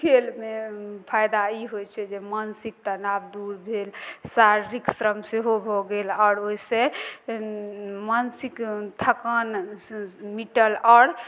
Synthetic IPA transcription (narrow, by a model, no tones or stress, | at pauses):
kʰelmepʰajd̪aiɦot͡ʃʰɛd͡ʒemənsik̚t̪ənabd̪uɾbʱelsaɾɾiksɾəmseɦobʱɔɡelɔːɾoise | mənsikt̪ʰəkən | miʈəlɔːɽ